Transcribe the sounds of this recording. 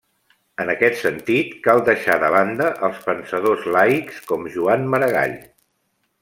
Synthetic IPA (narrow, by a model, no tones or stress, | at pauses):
ənəkɛt̪sənt̪it̪kalˠd̪əʃaðəβand̪əʔəlˠspənsəðozlajkskɔmʒuanməɾəɣ̞a̰ʎ